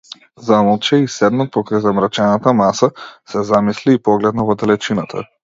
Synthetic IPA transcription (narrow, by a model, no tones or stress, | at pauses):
zamlˠt͡ʃɛisɛd̪nat̪̚pɔkɾajzamɾat͡ʃɛnat̪amasasɛzamisliːpɔɡlɛd̪navɔd̪ɛlɛt͡ʃinat̪ʰa̰